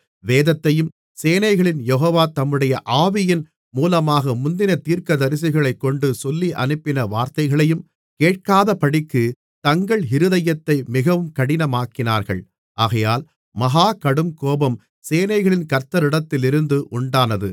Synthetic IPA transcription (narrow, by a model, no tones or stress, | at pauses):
ʋeːðɐt̪ːɐjɯm | seːnɐɪɣɐɭɪnjɛɦoːʋaːt̪ɐmːɯɽɐjɐʔaːʋɪjɪn | muːlɐmaːɣɐmʊnd̪ɪnɐt̪iːɾkɐðɐɾɪs̬ɪɣɐɭɐɪkːɔɳɖɯsɔlːiʔɐ̰nɯpːɪnɐʋaːɾt̪ɐɪɣɐɭɐjɯm | keːʈ̚kaːðɐpɐɽɪkːɯ | t̪ɐŋɡɐɭɦɪɾɯðɐjɐt̪ːɐɪmɪɣɐʋɯmkɐɽɪnɐmaːkːɪnaːɾɣɐ̰ɭ | ʔaːɣɐjaːl | mɐɦaːkɐɽɯmkoːbɐm | seːnɐɪɣɐɭɪnkɐɾt̪ːɐɾɪɽɐt̪ːɪlɪɾɯnd̪ɯʔʊɳɖaːnɐðɯ